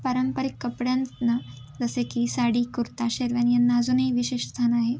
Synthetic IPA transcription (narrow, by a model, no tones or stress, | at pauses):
pəɾəmpəɾikːəpɽjannə | d͡zəsekiːsaɽiːkuɾt̪aɕeɾʋjanjanːaːd͡zuːnɦiːʋiɕeʂst̪ʰanaɦe